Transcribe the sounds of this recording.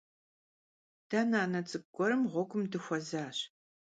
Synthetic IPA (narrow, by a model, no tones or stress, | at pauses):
d̥anaːnɐt͡sʼɨb̚ɡʷʼɔɾɨmʁʷɔɡʷʼʊmdɨxʷɔzaːɕ